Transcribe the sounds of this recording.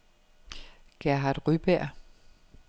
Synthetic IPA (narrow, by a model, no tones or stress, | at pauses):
ɡ̥æɐɦɑ̈d̥ʁyb̥æɐ̰